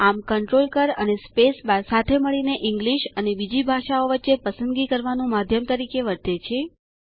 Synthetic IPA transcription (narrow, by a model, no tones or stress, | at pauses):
amkəɳʈɾolkəɾənespesbasat̪ʰeməɭineʔɪ̃ŋɡliʃənebid͡ʒibʱaʃaoʋətːʃepəsənd̪ɡikəɾʋanũmad̪ʱjəmt̪əɾikeʋəɾt̪et͡ʃʰe